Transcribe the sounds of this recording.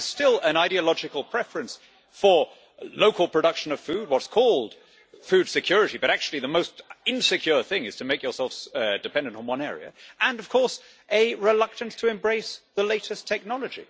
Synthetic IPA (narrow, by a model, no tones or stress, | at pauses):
z̥stɪlˠə̃naɪɾiɨlɑd͡ʒɨkəl̩ˠpʰɹ̥ɛfɹɨ̃ns | fə˞ | loʊkəlˠpʰɹ̥ɨdʌkʃɨ̃nʌv̥fʉd̚wʌtskʰɔlˠd̥ | fʉd̥sɨkʰj̥ʊɹɨɾibʌɾæk̚t͡ʃʉl̩ˠiðəmoʊstɪ̃nsɨkʰj̥ʊɹθɪ̃ŋɨz̥tʰɨmeɪkjə˞sɛlˠfdɨpʰɛ̃ndɨ̃ntn̩wʌ̃nɛɹḭɨ̰ʔə̃nʌv̥kʰɔɹs | ʔɨɹɪlʌk̚tɨ̃n̩stʰɨɨ̃mbɹeɪsðəleɪɾɨstʰɛk̚nɑlˠəd͡ʒḭ